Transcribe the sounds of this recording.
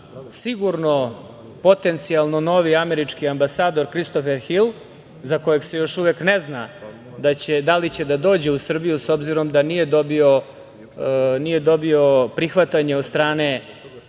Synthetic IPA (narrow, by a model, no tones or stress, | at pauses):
siɡuɾno̞ | po̞t̪e̞nt̪sialˠno̞no̞ʋiame̞ɾit͡ʃkiambasaːd̪o̞ɾkɾist̪o̞feɾxil | zako̞jeɡse̞jo̞ʃuʋeknezna̰ | d̪at͡ɕed̪alit͡ɕe̞d̪ad̪o̞ːd͡ʑe̞usr̩bijuso̞bziɾo̞md̪anije̞d̪o̞bio̞ | nije̞d̪o̞bio̞pɾixʋat̪aɲeo̞d̪st̪ɾaːne̞